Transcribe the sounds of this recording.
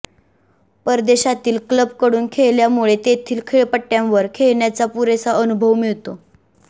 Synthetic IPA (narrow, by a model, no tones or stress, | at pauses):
pəɾd̪eɕat̪iːlkləb̚kəɽuːnkʰeɭljamuɭet̪et̪ʰiːlkʰeɭpəʈːjãʋəɾkʰeɭɳjat͡sapuɾesaənubʱəʋmiɭt̪o